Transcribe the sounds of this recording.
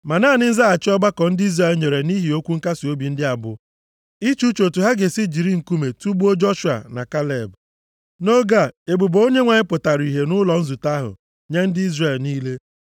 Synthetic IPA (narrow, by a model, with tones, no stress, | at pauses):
ma˨naː˦˨nɪ˦n̩˦za˦a˨t͡ʃɪ˦ɔ˦ba˦kɔ˨n̩˦dɪ˦i˦zɾe˦˨lɲe˨ɾe˨ni˦ɦi˨o˦kʷu˦ŋ̩˦ka˦si˨o˦bi˨n̩˦dɪ˦a˨bʊ˨ | i˦t͡ʃu˦t͡ʃo˨tu˨ɦa˦ɡe˨si˦d͡ʒi˨ɾi˦ŋ̩˨ku˦me˨tu˦bu˦o˦d͡ʒɔ˦ʃu˨a̰˨na̰˨ka˦le˨b | no˦ɡa˦˨e˨bu˨bo˨˦o˦ɲe˦ŋʷa˨ɲɪ˦pʊ˨ta˨ɾi˨ɦe˨nʊ˦lɔ˨n̩˦zu˨ta˦ɦʊ̰˨ | ɲe˦n̩˦dɪ˦i˦zre˨lniː˦le˦